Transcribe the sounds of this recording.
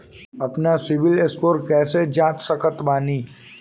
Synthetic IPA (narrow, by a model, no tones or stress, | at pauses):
ɐpnasɪʋɪleskoːɾkɛːsed͡ʒaːt̪səkət̪baːniː